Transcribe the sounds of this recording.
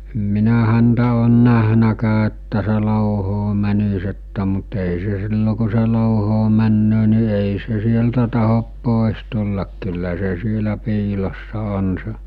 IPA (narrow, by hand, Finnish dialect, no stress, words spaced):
em minæ hæntæ oːn næhnækæː etːæ se loˑuhoː mænis etːæ mut ei se silːo ku̞ se loˑuhoː mænːøː ni eˑi se sieltæ tɑhop poˑes tulːɑk kylːæ se sielæ piːlosːɑ on se